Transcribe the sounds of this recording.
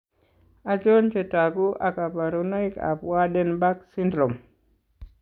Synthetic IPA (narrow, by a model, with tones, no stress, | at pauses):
a˨d͡ʒo˦nt͡ʃetaɡu˦ʔa˨ka˨ba˨ɾuna˦jka̰pwaɗɛnba˦ksindɾom